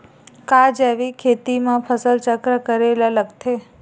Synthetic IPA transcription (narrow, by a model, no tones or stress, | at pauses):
kad͡ʒeʋikʰet̪imãpʰəsəlt͡ʃəkɾəkəɾelaləɡt̪ʰe